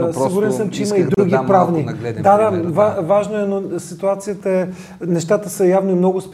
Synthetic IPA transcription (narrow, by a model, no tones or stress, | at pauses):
ssiɡʊɾɛnsəmt͡ʃɛiməid̪ɾuɡʲipɾavnid̪ad̪avavaʒnoɛnosit̪uat̪sijət̪əɛ | nɛʃt̪at̪əsəjavnimnɔɡʊsp